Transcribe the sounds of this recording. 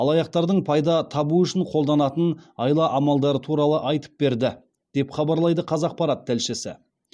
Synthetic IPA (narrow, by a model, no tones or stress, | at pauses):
ɑlˠɑjɑq̚t̪ɑɾd̪əɴpʰɑjd̪ɑt̪ʰɑbuʏʃɪɴqʰolˠd̪ɑnɑt̪ənɑjlˠɑʔɑmɑlˠd̪ɑɾət̪ʰuɾɑlˠəʔɑjt̪ə̥p̚be̞ɾd̪ɪ | d̪̥e̞pχɑbɑɾlˠɑjd̪əqʰɑzɑq̚pɑɾɑt̪̚ːælʃɪsɪ̰